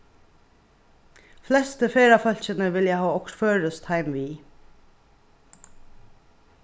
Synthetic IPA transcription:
flɛst̪əfeːɾɑːfœlçənəʋɪljæhɑːɔkɾføːɹəst̪hæɪmʋiː

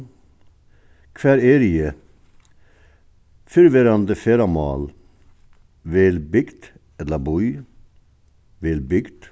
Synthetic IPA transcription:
kʰʋæːɾeːɾɪə | fʏɾʋeɾɑnd̪əfeːɾɑmɑ̰ːl | ʋeːlbʏɡd̪ | ɛləbɔʏ | ʋeːlbʏɡd̪̥

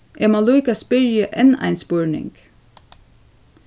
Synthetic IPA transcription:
ʔɛmaluːkaspɪɹjəʔɛna̰ɪnspɔɹnɪ̰ŋk

